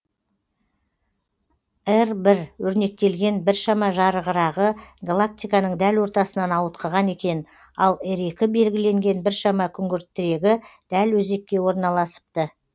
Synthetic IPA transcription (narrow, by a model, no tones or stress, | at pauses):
ɪɾbɪɾwɵɾne̞k̚t̪e̞lɡʲe̞nbɪɾʃɑmɑʒɑɾəʁəɾɑʁəɡalˠak̚t̪ʲijkɑnəɴd̪ælwo̞ɾt̪ɑsənɑnɑwət̪̚qʰəʁɑne̞kʲe̞n | ɑlˠɪɾe̞kʲɪbe̞lɡʲɪle̞ŋɡʲe̞nbɪɾʃɑmɑkʲʰʏŋɡʲɪɾt̪ːɪɾe̞ɡʲɪd̪̥ælwɵze̞k̚ʲkʲːe̞wo̞ɾnɑlˠɑsə̥p̚t̪ə